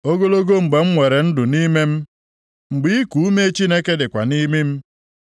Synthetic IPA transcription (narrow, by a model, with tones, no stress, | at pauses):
o˦ɡo˦lo˦ɡo˦ŋ͡m̩˨ɡ͡be˨ŋ͡m̩˦ŋʷe˨ɾe˨n̩˦dʊ˨ni˦me˦m̩˦ | ŋ͡m̩˨ɡ͡bi˦i˦ku˨u˦me˦t͡ʃi˦ne˦ke˦dɪ˨kʷa̰˨ni˦mi˦m̩˦